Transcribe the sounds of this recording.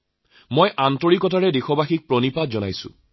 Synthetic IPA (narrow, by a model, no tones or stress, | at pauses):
mojʔantɔɹikɔtaɹɛdexɔbaxik̚pɹɔnipatzɔnajsʊ̰̃